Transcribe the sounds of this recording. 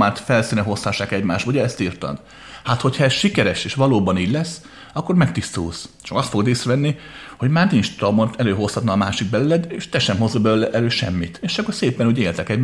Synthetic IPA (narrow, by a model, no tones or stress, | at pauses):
maːt̪fɛlsiːnɛɦo̞sɒʃːaːkɛɟmaːʃt̪ʋuɟɛɛst̪iːrt̪ɒ̰d̪ | hat̪ho̞chɒɛsʃikɛɾɛʃeːʃʋɒloːbɒniːɟlɛsː | ɒkːo̞rmɛkt̪ist̪ṵːst͡ʃɒkɒst̪fo̞ɡd̪eːsrɛvɛnːiho̞ɟmaːrniɲt͡ʃt̪ɒmont̪ɛløːɦo̞shɒt̪nɒːmaːʃiɡ̚bɛlylɛd̪eːʃt̪ɛʃɛmɦo̞zːɒbɛløːlɛʔɛløːʃɛ̰mːit̪eːʃɒkːorseːpɛnuːɟeːlt̪ɛkɛɟm